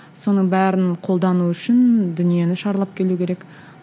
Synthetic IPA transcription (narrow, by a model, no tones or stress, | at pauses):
so̞nəɴbæɾɪnqʰo̞lˠd̪ɑnuʏʃɪnd̪ʏnije̞nɪʃɑɾlˠɑp̚kʲʰe̞lukʲeek